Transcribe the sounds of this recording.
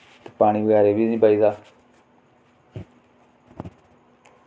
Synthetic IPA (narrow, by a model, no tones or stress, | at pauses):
t̪e̥ːpaːɽ̃iːbəɡɛːɾeːbiːnĩːpaːiːd̪aː